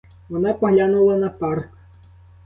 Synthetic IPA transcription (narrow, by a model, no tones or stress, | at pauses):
wɔnapɐɣlʲanulˠɐnɐpark